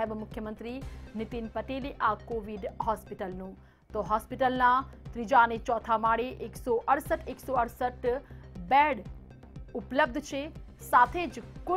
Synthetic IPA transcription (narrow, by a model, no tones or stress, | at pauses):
əbmʊkʰjəmə̃nt̪ɾinɪt̪inpɐʈeːliʔaːkoːʋiɖɦɔːspiʈəlnũː | t̪oɦɔːspiʈəlnat̪ɾid͡ʒaːnet͡ʃɔːt̪ʰamaːɽeʔeksɔʔɐɽsəʈeːksoɐɽsəʈbɛːɽ | ʊpləb̚d̪ʱt͡ʃʰe | saːt̪ʰeːd͡ʒkʊ